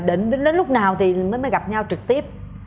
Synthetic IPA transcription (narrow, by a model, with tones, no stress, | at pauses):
ɗi˨˩ŋɗnɗe˨˦nlʊ˦˥k͡p̚naː˨˩wt̪ʰi˨˩məː˨˦jməː˨˦jɣa˨˩p̚ɲa˧wt͡ɕɨ˨˩k̚t̪i˦˥əp̚